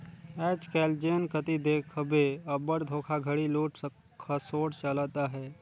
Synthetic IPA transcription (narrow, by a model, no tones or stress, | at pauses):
ɛːt͡ʃkɛːld͡ʒeːnkət̪id̪eːkʰbeɐbəɽd̪ʱoːkʰaɡʱəɽiloːʈʰ | asoːʈt͡ʃəlat̪aɦɛː